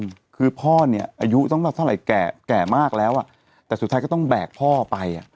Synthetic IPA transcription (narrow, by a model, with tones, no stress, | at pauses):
kʰɯː˧pʰɔː˥˩ni˥˩ɐʔa˧ju˦˥t̪ɔ˥˩ŋmaː˧˨˩t̪ʰa˥˩˨ɾa˨˦jkɛː˨˩kɛː˨˩maː˥˩k̚lɛː˦˥wʔa˨˩ | t̪ɛː˨˩su˨˩aː˦˥kɔ˥˩t̪ɔ˥˩ŋbɛː˨˩k̚pʰɔː˥˩pa˧ja̰˨˩ʔ